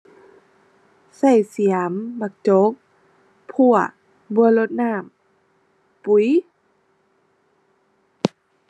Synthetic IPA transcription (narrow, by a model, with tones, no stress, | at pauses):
sa˧˩jsi˨˩˦əmba˧˩k̚t͡ɕo˧˦k̚ | pʰu˧˩ə | bu˧ə˦lo˧t̪̚naː˧˥˩m | pu˨˩˦j